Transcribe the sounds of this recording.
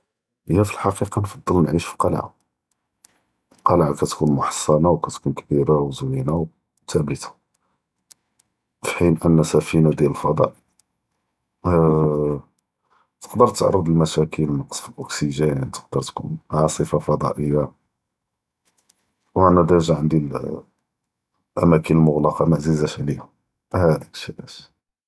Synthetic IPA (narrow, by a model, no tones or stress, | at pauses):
əjæfilħɑqiqɑnfɑd̪ˤːəlnʕiʃfi̥qɑlʕ | qɑlʕakæt̪kunmʊħɑ̥sˤːɑnawkæt̪kunkbiɾawzwinaw | t̪æbət̪ḁ | fi̥ħinʔənːæsæfinad̪jæləlfɑd̪ˤɑ̰ʔ | t̪ə̥qd̪əɾˤt̪ːʕɑɾˤːəd̪ˤəlmæʃækilmksʔʊksiʒænant̪ə̥q̚d̪əɾˤt̪kṵnʕɑsˤəfafɑd̪ˤɑ̰ʔəjːa | wʔænæd̪æʒaʕənd̪il | ʔæ̰mækənəlmʊɣlɑqɑmæʔzizæʃʕlihʊm | hæd̪ikʃiʔæt̪